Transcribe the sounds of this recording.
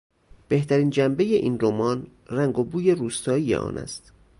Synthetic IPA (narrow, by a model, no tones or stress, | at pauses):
b̥e̞ht̪ʰæɾiːnd͡ʒæmbe̞je̞ʔiːnɾomɒːn | ræŋɡo̞buːje̞ɾuːst̪ɒːijḛʔɒ̰ːnæ̰st̪